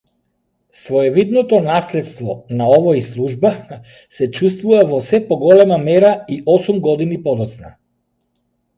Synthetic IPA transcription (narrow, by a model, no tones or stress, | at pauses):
svɔɛvid̪nɔt̪ɔnaslɛt̪st̪vɔnaɔvɔislˠuʒba | sɛt͡ʃust̪vuvavɔsɛpɔɡɔlɛmamɛɾaiʔɔsumɡɔd̪inipɔd̪ɔt̪sna̰